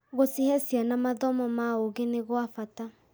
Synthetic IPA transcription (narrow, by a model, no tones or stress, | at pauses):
ɣosihɛsianamaðɔmɔmaoɣeneɣoafata